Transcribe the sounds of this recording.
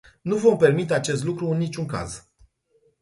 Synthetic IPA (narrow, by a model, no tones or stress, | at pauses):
nuvo̞mpe̞rmit̪e̞at͡ʃe̞st̪lukɾuɨnːit͡ʃʲuŋka̰z